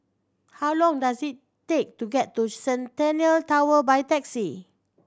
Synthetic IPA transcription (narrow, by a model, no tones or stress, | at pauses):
hawlɔ̃ŋdasitː | ek̚tuɡɛtːusɛ̃ntɛ̃niəltawəbajtɛksi